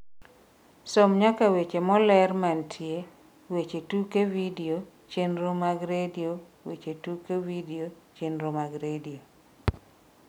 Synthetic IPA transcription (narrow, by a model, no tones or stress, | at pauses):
somɲakawet͡ʃemɔlɛrmantʰje | wet͡ʃetukevidio | t͡ʃenɾomaɡɾedio | wet͡ʃetukevidiot͡ʃenɾomaɡɾedio